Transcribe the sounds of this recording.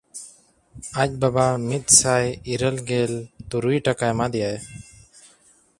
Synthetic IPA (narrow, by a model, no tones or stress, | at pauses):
ac̚ˀbabamit̪̚ˀsajiɾəlɡɛlt̪uɾujʈakajmad̪ɛjaj